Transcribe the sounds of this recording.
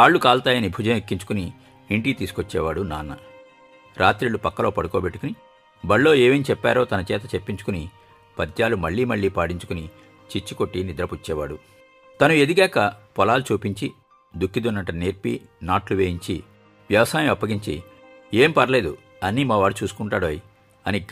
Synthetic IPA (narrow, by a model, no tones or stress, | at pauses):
aːɭːukaːlt̪aːjɐnibʱud͡ʒɐmekːiɲt͡ʃu̥kuni | iɳʈiːt̪iːsu̥kot͡ʃːɛːʋaːɽunaːnːɐ | ɾʔaːt̪ɾiɭːupɐkːɐlo̞ːpɐɽuko̞ːbe̞ʈːu̥kuni | bɐɭːo̞ːeːʋemt͡ʃɛpːa̰ːɾo̞ːt̪ɐnɐt͡ʃɛːt̪ɐt͡ʃepːiɲt͡ʃu̥kuni | pɐd̪jaːlumɐɭːiːmɐɭːiːpaːɽiɲt͡ʃu̥kuni | t͡ʃit͡ʃːiko̞ʈːinid̪ɾɐput͡ʃːɛːʋaːɽu | t̪ɐnued̪iɡaːkɐpɔlaːlut͡ʃuːpiɲt͡ʃi | d̪ukːid̪unːɐʈːɐneːɾpḭ | naːʈluʋeːjiɲt͡ʃi | ʋjɐʋɐsaːjɐmɐpːɐɡiɲt͡ʃḭ | eːmpɐɾɐleːd̪u | ɐnːiːmaːʋaːɽut͡ʃuːsu̥kuɳʈaːɽɐji | ɐni